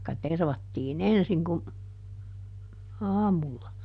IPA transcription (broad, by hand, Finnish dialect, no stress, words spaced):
tɑikːɑ terʋɑtːiːn ensiŋ kum ɑːmulːɑ